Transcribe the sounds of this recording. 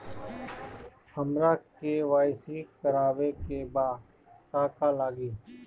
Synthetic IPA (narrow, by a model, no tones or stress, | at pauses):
həmɾaːkeːʋaːɪsiːkəɾaːʋeːkeːbaː | kaːkaːlaːɡiː